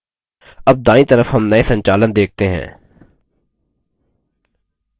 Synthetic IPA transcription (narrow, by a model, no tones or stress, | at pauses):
ɐb̚d̪ãːĩt̪ɐɾəfɦɐmnɐesɐ̃ɲt͡ʃaːlənd̪eːk̚t̪eɦɛ̰̃ː